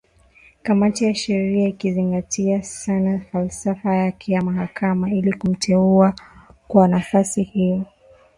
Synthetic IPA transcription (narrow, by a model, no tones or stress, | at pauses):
kamatijaʃɛɾiaikiziŋɡatʰiasanafalsafajakʰɛjamaɦakamailikum̩tʰɛuakwanafasihijɔ